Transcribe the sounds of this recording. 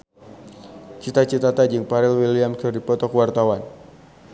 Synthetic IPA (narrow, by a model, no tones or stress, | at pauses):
t͡ʃit̪at͡ʃit̪at̪ad͡ʒəŋpaɾɪlwiliamkʰərdipɔt̪ɔkwart̪awan